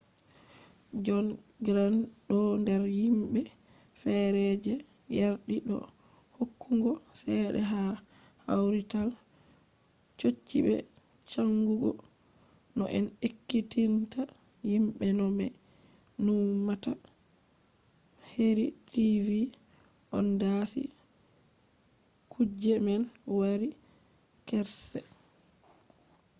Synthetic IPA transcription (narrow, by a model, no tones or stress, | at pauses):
d͡ʒɔn | ɡɾanɗɔndɛɾjimɓɛ | fɛɾɛd͡ʒɛ | jaɾɗiɗɔ̰ | hokʰːuŋɡɔsɛɗɛ̰ɦa | a̰wɾital | t͡ʃot͡ʃːiɓɛ̰ | t͡ʃaŋɡuɡɔ̰ | nɔ̰ʔɛnekːitinta | jimɓɛnɔmɛ̰ | numata | heɾitivi | ʔɔndasḭ | kʰud͡ʒɛmɛnwaɾi | kɛɾsɛ